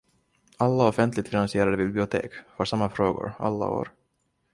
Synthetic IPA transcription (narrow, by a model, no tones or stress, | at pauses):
alːaɔfɛnt̪ʰlɪɡ̚t̪fɪnansɪeːɾad̪əbɪblɪʊt̪ʰḛːkfœʂamːafɾoːɡʊ̰ɾa̰lːa̰o̰ːɾ